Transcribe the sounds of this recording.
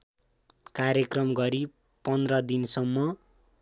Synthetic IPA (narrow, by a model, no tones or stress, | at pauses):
kaɾjekrʌmɡʌɾi | pʌnd̪rʌd̪insʌmːʌ